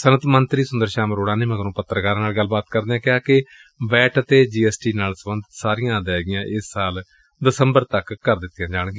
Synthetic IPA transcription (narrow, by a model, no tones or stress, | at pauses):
sənət̪ʰmənt̪ɾiːsʊnd̪əɾʃaːməɾoːɽãːnẽːməɡəɾõːpət̪ːəɾəkaːɾãːnaːlɡəlbaːt̪kəɾd̪eːãːkɪaːkɪ | ʋɛːʈət̪eːd͡ʒiːɛːsʈiːnaːlsəbənd̪ɪt̪saːɾijãːd̪aːɡɪjãːʔɪsːaːl | d̪ɪsəmbəɾt̪əkkəɾd̪ɪt̪ːɪjãːd͡ʒaːɳ̃ɡeː